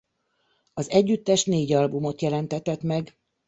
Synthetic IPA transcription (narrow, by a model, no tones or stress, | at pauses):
ɒzɛɟːyt̪ːɛʃneːɟɒlbumo̞t̪jɛlɛnt̪ɛt̪ɛt̪mɛɡ